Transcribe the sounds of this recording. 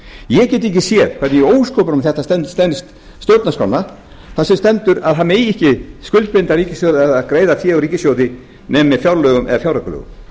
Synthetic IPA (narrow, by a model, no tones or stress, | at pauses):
jɛɣcɛːt̪̬ːiɲcɪsjɛɾ̥kʰɛɾt̪nɪjɛoːwskoːwpʏɾʊmθɛht̪ast̪ɛst̪ɛnst̪ | st̪jowt̪naskawnːa | θaðsɛmst̪ɛnt̪ʏɾaðɦanmeːjɪhcɪskʏlpɪnt̪aɾiːcɪsjowðɪaðaðkɾeːjðaθjɛːɣriːcɪsjowðɪ | nɛmːɛfjawɾlœːɣʏmʔɛ̰ðafjawɾaklœ̰ɣʏ̰m